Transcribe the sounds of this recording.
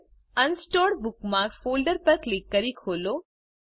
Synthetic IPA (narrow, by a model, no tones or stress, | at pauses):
ənsʈoːɖbʊkmãfoːlɖəɾpəɾklikːəɾikʰoːloː